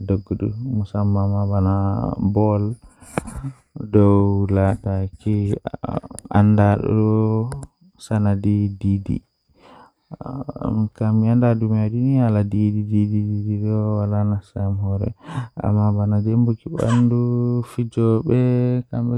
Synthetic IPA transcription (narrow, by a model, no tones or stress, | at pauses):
dɔɡːɔɗṵmusamːamabanabɔl | dɔwlataki | ʔa̰ndaɗɔ̰ɗɔ | sanadididḭ | kamiandadumadinialadidididididiɗɔwalanasamhɔɾɛ̰a̰mːabanadembukiɓa̰ndufid͡ʒɔɓɛkambɛ